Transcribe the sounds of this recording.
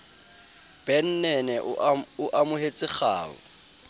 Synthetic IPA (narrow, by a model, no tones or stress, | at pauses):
b̥ɛn̩nɛnɛʔʊʔamʊɦet͡sʼɪχa̰ːɔ̰